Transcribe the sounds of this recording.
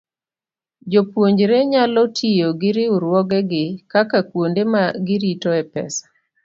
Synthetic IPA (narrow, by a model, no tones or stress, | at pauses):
d͡ʒopwoɲd͡ʒɾeɲalɔtʰijoɡɪɾɪuɾwɔɡɛɡɪkakakwondemaɡɪɾitɔɛpɛ̰sḁ